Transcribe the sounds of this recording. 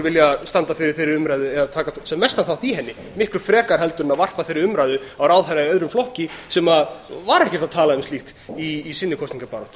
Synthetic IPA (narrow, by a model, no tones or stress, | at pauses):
vɪljast̪ant̪afɪɾɪɾ̥θɪjɾɪɾʏmɾajðʏɛðat̪ʰaːkasɛmːɛst̪aθawht̪iɦɛnːɪ | mɪhklʏfɾɛːkaɾ̥ɦɛlt̪ʏɾʏnaðvar̥paθɪjɾɪʏmɾajðʏawɾawðajnːaœðɾʏmflɔhcɪsɛmavaɾɛhcɛ̥t̪aðt̪ʰaːlaʏmsiht̪iːsɪnːɪkʰɔst̪niŋkapaːɾɔht̪